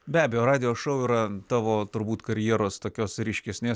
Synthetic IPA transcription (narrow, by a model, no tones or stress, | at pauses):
bʲæːbʲɛjoːɾɑːd̪ʲɪjoːʃɐʊiːɾɐt̪ɑːʋoːt̪ʊɾbuːt̪kɐɾʲjiɛɾoːst̪oːkʲoːsɾʲɪʃʲkʲɛsʲnʲeːs